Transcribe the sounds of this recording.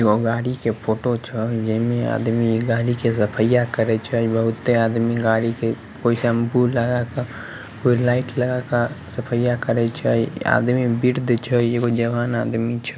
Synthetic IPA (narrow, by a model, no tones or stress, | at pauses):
eɡoɡaːɽikepʰoːʈot͡ʃʰəd͡ʒəmea̰ːd̪miɡaːɽikesəpʰəjakəɾɛt͡ʃʰəbəɦʊt̪ːeaːd̪miɡaːɽike | koːisəmbuləɡaka | koːilaːɪʈləɡakasəpʰəjakəɾɛt͡ʃʰəa̰ːd̪mibiɾd̪t͡ʃʰəjeɡod͡ʒəʋaːnaːd̪mit͡ʃʰə